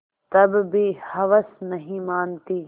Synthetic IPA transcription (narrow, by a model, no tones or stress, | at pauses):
t̪ɐbbihɐʋəsnɐɦĩmaːnt̪iː